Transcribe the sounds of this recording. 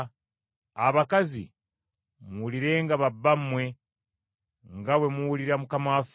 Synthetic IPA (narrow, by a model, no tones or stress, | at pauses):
a̰βakazḭ | muuliɾe̞ːŋɡaβabːammwe̞ | ŋɡawe̞muwuliɾamukamaf